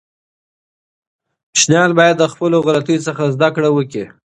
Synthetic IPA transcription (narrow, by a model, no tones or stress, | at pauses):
ʃnjɑlbɑjad̪ːəxpəloɣalat̪əjosəxazd̪akɽawəki